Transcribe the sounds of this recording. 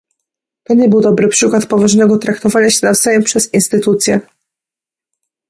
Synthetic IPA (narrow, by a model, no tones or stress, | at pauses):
b̥ɛɲd͡ʑɛbɘwd̪ɔbɾɘpʂɘkwat̪pɔvaʐnɛɡɔt̪ɾakt̪ɔvaɲaɕɛnavzajɛmpʂɛzinst̪ɘt̪ut̪sʲjɛ